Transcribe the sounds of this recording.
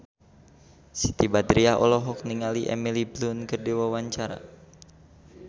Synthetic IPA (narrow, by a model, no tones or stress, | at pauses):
si̥t̪ibad̪ɾiaɔ̰lɔɦɔk̚niŋaliʔɛ̰miliblunkərdiwawaɲt͡ʃaɾa̰